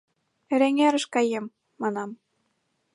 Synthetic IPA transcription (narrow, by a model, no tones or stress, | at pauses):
ɘ̆ɾeŋæɾɤ̆ʃkɑjemː | ɑnɑm